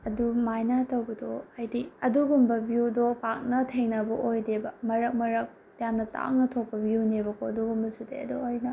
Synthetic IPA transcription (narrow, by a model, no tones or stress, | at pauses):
ɐdumajnɐtɐwbɐdoajdiɐduɡumbɐbijudopak̚nɐtʰeŋnɐbɐʔojdebɐmɐɾɐk̚mɐɾɐk̚ | jamnɐta̰ŋnɐtʰok̚pːɐbʱijunebɐkʰoduɡumbɐsudḛɐ̰duojnɐ